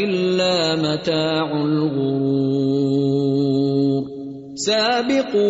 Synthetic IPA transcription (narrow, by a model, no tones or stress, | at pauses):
ɪlːaːmat̪aːʕalɣʊɾuː | ɾ | saːbɪqː